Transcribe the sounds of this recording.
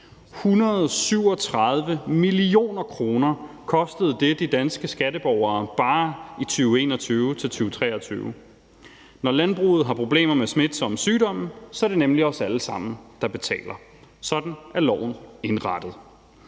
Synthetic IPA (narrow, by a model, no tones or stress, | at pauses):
hunɐð̞ˠsyʊ̰ɒ̽t͡sʰʁɑð̞ˠʋəmilio̝̰ːnɐkʰʁo̝ːnɐ | kʰɒ̽sd̥əð̞̩ˠd̥e̝d̥id̥ænsɡ̥əsɡ̥æɾəb̥ɒʊɐːb̥ɑ̈ːit͡sʰyːʊe̝ːnɒt͡sʰyːʊt͡sʰe̝lt͡sʰyːʊt͡sʰʁɛ̰ːɐt͡sʰy̰ːʊ | nɒlænb̥ʁṵːð̞̩ˠɦɑ̈pʰʁo̝b̥le̝̰ːmɐmesmed̥sɒ̽msyːd̥ɒ̽m̰n̩sɒɐd̥e̝nemliɒ̽sæləsɑ̈m̰n̩d̥ɑ̈b̥e̝t͡sʰɛ̰ːlɐ | sɒ̽d̥n̩æɐlɒ̰ʊ̰n̩e̝nʁɑd̥əð̩ˠ